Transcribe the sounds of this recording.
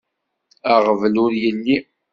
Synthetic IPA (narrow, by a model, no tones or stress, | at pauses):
əʁəvlʊɾjəlːi